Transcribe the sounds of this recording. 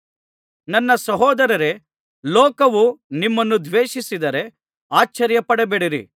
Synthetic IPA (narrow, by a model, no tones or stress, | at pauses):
nɐnːɐsɐɦɔːd̪ɐɾɐɾe̞ | lɔːkɐʋunimːɐnːud̪ʋeːʃisid̪ɐɾe̞ | aːt͡ʃːɐɾjɐpɐɽebeːɽiɾḭ